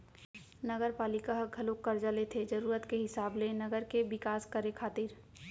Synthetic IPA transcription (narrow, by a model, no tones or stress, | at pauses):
nəɡəɾpaːlɪkaɦɡʱɐlokːəɾd͡ʒalet̪ʰed͡ʒɐɾuːɾət̪keɦɪsaːblenəɡəɾkebɪkaːskəɾekʰaːt̪ɪɾ